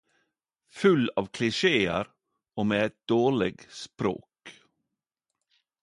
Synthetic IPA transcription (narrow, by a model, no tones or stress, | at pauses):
fʉlɑːʋkʰlɪʂeːə̰ɾ | oːmeːɛt̪̚d̪oːɭɪɡspɾo̰ːk